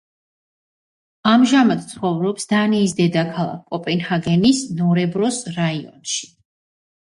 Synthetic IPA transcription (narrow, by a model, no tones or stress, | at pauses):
amʒamad̪t̪sʰχɔvɾɔpsd̪̥aniːsd̪ɛd̪akʰalˠa̰kʰːʼɔpʼɛnhaɡɛnisnɔɾɛbɾɔsɾaiɔ̰nʃi̥